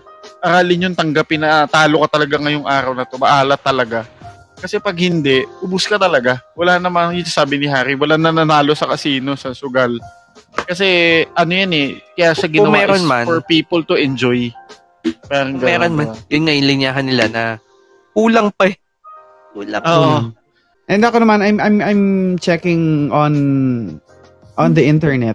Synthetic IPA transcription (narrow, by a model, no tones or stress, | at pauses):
ʔɐɾaːlɪɲjʊŋt̪ɐŋɡapɪnɐt̪aːlokɐt̪ɐlɐɡaŋɐjʊŋʔaːɾɐwnɐt̪o̞mɐʔaːlɐt̪ːɐlɐɡa | kɐsɛpɐɡ̚hɪnd̪ɛʔʔʊbʊskɐt̪ɐlɐɡawɐlanɐmɐnjʊsɐsaːbɪnɪɦaːɾiwɐlanɐnɐnaːlo̞sɐkɐsiːno̞sɐsʊɡal | kɐsɛʔɐno̞janɛkɐjasɐɡɪɐwmaɛːɾonmanfɔɹpiːpolt̪ʊʔɛnd͡ʒoj | paːɾɐŋɡɐmɛɾonmajʊnŋɐʔɪnlɪɲaːɦɐnɪlanɐ | kuːlɐŋpɐ | kuːlaŋoːʔo | ʔɛnd̪ɐko̞nɐmanajmʔajmʔajmt͡ʃɛkɪŋʔon | ʔɔ̃nd̪ɐʔɪnt̪ɛɹnɛt̪̚